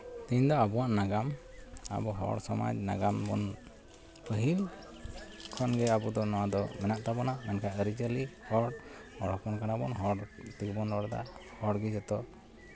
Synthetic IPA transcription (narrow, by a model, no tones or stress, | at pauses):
t̪iɲd̪ɔabɔwaʔnaɡama̰bɔɦɔ̰ɽsɔma̰d͡ʒna̰ɡambɔ̰n | pəɦil | kʰɔnɡɛabɔd̪ɔnɔwad̪ɔmɛnaʔt̪abɔnamɛnkʰaəɾit͡ʃəlihɔɽ | hɔ̰ɽɔpɔnkanabɔnɦɔɽt̪ikbɔnɾɔɽd̪a̰hɔɽɡid͡ʒɛt̪ɔ